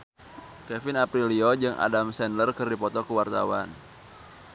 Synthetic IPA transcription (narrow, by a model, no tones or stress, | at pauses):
kɛfɪnapɾiliɔd͡ʒɨŋʔa̰damsɛnlərkərdipɔt̪ɔkəwart̪a̰wan